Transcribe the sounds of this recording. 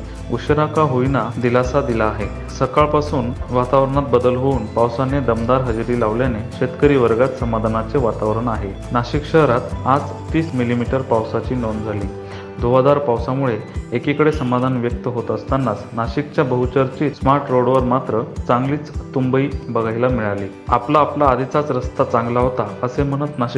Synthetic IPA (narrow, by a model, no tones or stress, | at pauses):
uɕɾakaɦoinad̪ilasad̪ilaːɦe | səkaɭpasuːnʋat̪aʋɾəɳ̃at̪̚bəd̪əlɦouːnpawsaned̪əmd̪aɾɦəd͡zɾiːlaʋljaneɕet̪kəɾiːʋəɾɡat̪səmad̪ʱanat͡seʋat̪aʋɾəɳaɦe | naɕikɕəɦɾat̪ad͡z | t̪ːiːsmilimiʈəɾpawsat͡ɕiːnond͡zʱaliː | d̪ʱoʋad̪aɾpawsamuɭeːkikəɽesəmad̪ʱanʋjək̚t̪əɦot̪əst̪anːat͡snaɕikt͡ɕjabəɦut͡ɕəɾt͡ɕiːsmaɾʈɾoɽʋəɾmat̪ɾət͡sãŋɡliːt͡st̪umbəiːbəɡʱajlamiɭaliːa̰plaːplaːd̪ʱit͡sat͡sɾəst̪at͡sãŋɡlaɦot̪aəsem̤əɽ̃ət̪naɕ